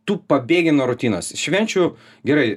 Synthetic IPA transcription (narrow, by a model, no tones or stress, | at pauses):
t̪uːpɐbʲeːɡʲɪnuːɾʊt̪ʲiːno̰ːsʃʲʋʲɛnʲt͡ʃʲu | ɡʲɛɾɐɪ